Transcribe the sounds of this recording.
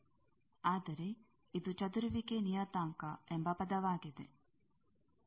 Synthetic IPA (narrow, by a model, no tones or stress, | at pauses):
aːd̪ɐɾe | id̪ut͡ʃɐd̪uɾuʋikenijat̪aːŋkaʔembɐpɐd̪ɐʋaːɡed̪ḛ